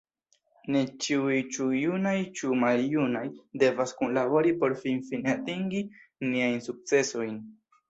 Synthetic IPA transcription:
ne̞t͡ʃiujt͡ʃujunajt͡ʃumaljunajde̞vaskunlabo̞ɾipo̞ɾfinfinatiŋɡiniajnsuk̚t͡se̞so̞jn

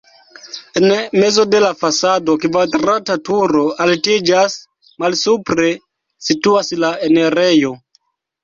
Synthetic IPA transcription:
enme̞zo̞de̞lafasado̞kvadɾatatuɾo̞altid͡ʒas | malsupɾe̞ | situaslaene̞ɾe̞jo̞

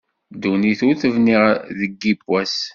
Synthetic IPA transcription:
d̪uniθuθəvniʁðəɡːibwæs

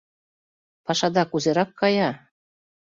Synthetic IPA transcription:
pɑʃɑd̪ɑkuzeɾɑkːɑjɑ

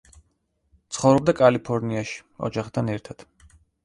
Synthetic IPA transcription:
t̪sʰχɔvɾɔb̚d̪akʼalipʰɔɾniaʃi̥ɔ̰d͡ʒaχd̪ʰanɛɾt̪ʰad̪̥

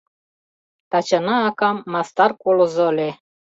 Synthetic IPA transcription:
t̪ɑt͡ɕɑnɑːkɑmːɑst̪ɑrkolɤ̆zŏlʲe

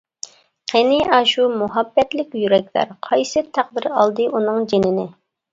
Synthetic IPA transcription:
qʰenɪʔɑʃumuɦɑbːɛt̪lɪkʲjyɾɛk̚ʲlæ̰ɾqʰɑjsɨt̪ʰæq̚d̪ɪɾɑlˠd̪ɨʔunɨŋd͡ʒenɪnɪ

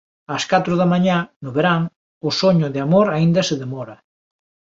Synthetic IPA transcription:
ɐskat̪ɾʊðamaɲanʊβeɾaŋ | ʊsoɲʊðeamoɾaind̪ɐseðemɔɾɐ

